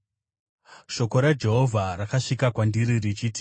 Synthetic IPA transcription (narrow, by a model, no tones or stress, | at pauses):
ʃo̞ko̞ɾad͡ʒe̞ɦo̞vʱarakaʂikakwandiɾirit͡ʃiːti̥